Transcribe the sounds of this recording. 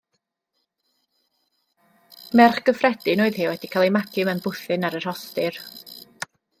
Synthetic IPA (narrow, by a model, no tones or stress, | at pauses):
mɛrχɡ̥əfrɛd̥ɨnoːɨðhɪːwɛd̥ikʰaːlˠejmaɡʰɨmɛnbʊθɨnaɾər̥hɔstɨr